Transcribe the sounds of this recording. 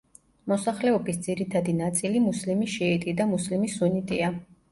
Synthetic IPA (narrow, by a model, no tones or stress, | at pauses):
mɔsaχlɛɔbisd̪z̥iɾit̪ʰad̪inat̪sʼilimuslimiʃɛɛt̪ʼid̪amuslimisunit̪ʼia